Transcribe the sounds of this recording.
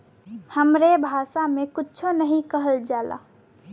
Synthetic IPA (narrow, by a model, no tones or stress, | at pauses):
həmɾebʱaːʃamẽkʊtːt͡ʃʰonəɦĩkəɦəld͡ʒaːla̰